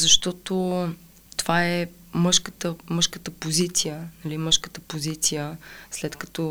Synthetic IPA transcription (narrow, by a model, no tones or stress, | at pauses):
zɐʃt̪ɔt̪o | t̪ovaɛ | mɤʃkət̪əmɤʃkət̪əpozit̪sijənɐliməʃkə̥t̪əpozit̪sijəslɛt̪kɐ̥t̪ɔ